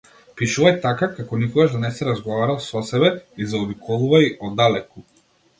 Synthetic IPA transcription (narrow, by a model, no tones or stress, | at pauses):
piʃuvajt̪akakakɔnikɔɡaʒd̪anɛsɛɾazɡɔvaɾalˠsɔsɛbɛizaɔbikɔlˠuvajɔd̪alɛku